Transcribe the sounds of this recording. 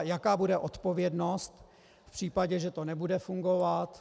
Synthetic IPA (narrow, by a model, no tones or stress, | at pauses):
jakaːbudɛʔot̪po̞vjɛdno̞st̪ | fpr̝̥iːpaɟɛʒɛt̪onɛbudɛfuŋɡo̞vat̪